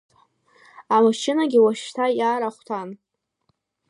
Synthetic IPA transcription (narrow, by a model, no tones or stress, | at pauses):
amaʃɪnaɡʲɪwaʃtʰajaːɾaχʷtʰan